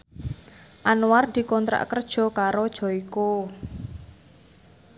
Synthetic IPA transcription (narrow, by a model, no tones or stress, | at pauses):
ʔanward̪̥i̤kɔnt̪ɾa̰ʔkərd̥ʒ̥ɔ̤kaɾod̥ʒ̥ɔ̤iko